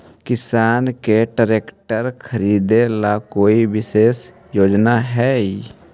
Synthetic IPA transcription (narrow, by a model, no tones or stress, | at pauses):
kɪsaːnkeʈəɾeːkʈəɾkʰəɾiːd̪elakoːiʋɪseːs | joːd͡ʒnaɦɛːi